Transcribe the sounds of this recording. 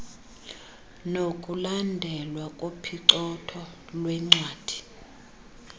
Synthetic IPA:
nokʼulandʱɛlwakʼopʰiǀɔtʰɔ | lwɛŋ͡ǀwaːd̥ʱi̥

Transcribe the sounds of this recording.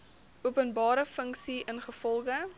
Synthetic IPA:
ʔuəpənbɑːɾəfəŋksiʔənχəfɔlˠχə

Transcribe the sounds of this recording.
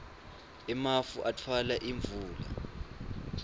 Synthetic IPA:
ɛmafuʔatʰwalaʔiɱb̪vuːla̰

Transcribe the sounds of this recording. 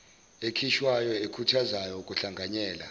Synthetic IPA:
ekʰiʃwajɔekʰutʰazajɔukʼuɬaŋɡʱaɲɛːla̰

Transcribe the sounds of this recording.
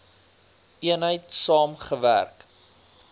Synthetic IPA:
ʔiənɦəjtsɑːmχəvæ̰rk

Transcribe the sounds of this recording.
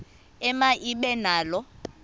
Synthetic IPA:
ɛmaʔiɓɛnaːlɔ

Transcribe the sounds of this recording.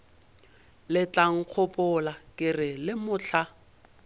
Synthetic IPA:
lɪt͡ɬaŋ̩q͡χʰʊpʼʊlakʼɪrɪlɪmʊːt͡ɬʰa

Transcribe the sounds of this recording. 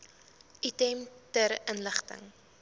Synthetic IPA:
ʔitɛmtəɾənləχtə̰ŋ

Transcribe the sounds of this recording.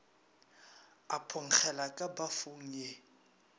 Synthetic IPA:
apʰʊŋ̩k͡xʰɛlakʼabafʊŋ̩je

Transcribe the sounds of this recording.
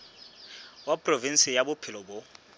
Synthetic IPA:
wapʼrovin̩sɪjabʊpʰɪlɔbʊ

